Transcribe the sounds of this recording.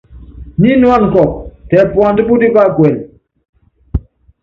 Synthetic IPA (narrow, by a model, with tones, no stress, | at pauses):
ni˦nu˦a˦˨n˨kɔ˨k̚tɛ˨pwa˨ndi˦bu˦di˦ba˦˨kwɛ˨l